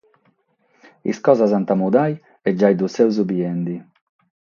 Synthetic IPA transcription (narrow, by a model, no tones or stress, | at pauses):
ḭskɔːzazant̪amud̪aj | ɛd͡ʒːajd̪usɛwzubiɛnd̪i